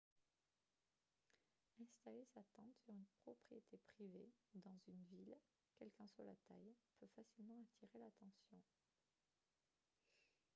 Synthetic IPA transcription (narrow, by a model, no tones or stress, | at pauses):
ɛ̃st̪alesat̪ɑ̃t̪syʁynpχɔpχijet̪ʰepχived̪ɑ̃zynvil | kʲɛlkɛ̃swa̰la̰t̪ajpøfasilmɑ̃at̪ʰiʁelat̪ɑ̃sjɔ̃